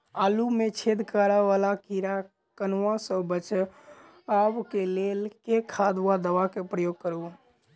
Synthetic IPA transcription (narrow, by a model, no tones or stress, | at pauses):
alumet͡ʃʰed̪ʱkaɾəʋalakiɾa | kənãsə̃bət͡ʃ | abkelelkekʰad̪wad̪əʋakepɾəjoɡ̚kəɾu